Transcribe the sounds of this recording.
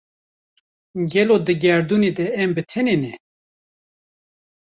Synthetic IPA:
ɡɛlod̪ɨɡɛɾd̪uːned̪ɛɛmbɨt̪ʰɛnenɛ

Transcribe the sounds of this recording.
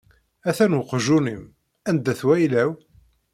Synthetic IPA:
æθænwəqʒunim | ænd̪æθwæjlæw

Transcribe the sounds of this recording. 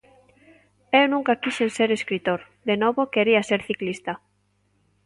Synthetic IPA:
ewnũŋkakiʃenseɾeskɾit̪oɾ | d̪enoβokeɾiaseɾθiklist̪ɐ

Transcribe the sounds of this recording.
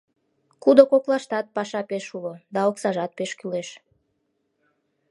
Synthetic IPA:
kud̪okoklɑʃt̪ɑt̪̚pɑʃɑpeʃulod̪ɑoksɑʒɑt̪̚peʃkyleʃ

